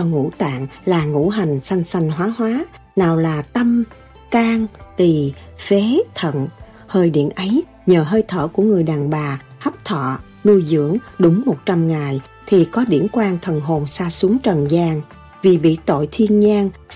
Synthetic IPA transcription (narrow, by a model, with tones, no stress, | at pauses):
ɔ˧ŋṵ˧˥t̪a̰ː˧˨ŋlaː˨˩ŋṵ˧˥ɦa˨˩jŋ̟sa˧jŋ̟sa˧jŋ̟ɦwaː˨˦ɦwaː˨˦ | naː˨˩wlaː˨˩t̪ə˧m | kaː˧ŋt̪i˨˩fe˨˦t̪ʰə̰˧˨n | həː˧jɗḭ˧˨ənʔə˨˦j | ɲəː˨˩ɦəː˧jt̪ʰəː˧˩ku˧˩əŋɨ˨˩əjɗaː˨˩ŋɓaː˨˩hə˦˥p̚t̪ʰɔ̰˧˨ | nu˧jzɨ̰˧˥əŋ | ɗʊ˨˦ŋ͡mmo˨˩t̚t͡ɕa˧mŋaː˨˩j | t̪ʰi˨˩kɔ˨˦ɗḭ˧˩ənkwaː˧ŋt̪ʰə˨˩nɦo˨˩nsaː˧su˨˦əŋt͡ɕə˨˩nzaː˧ŋ | vi˨˩ɓḭ˧˨t̪o̰˧˨jt̪ʰi˧ənɲaː˧ŋ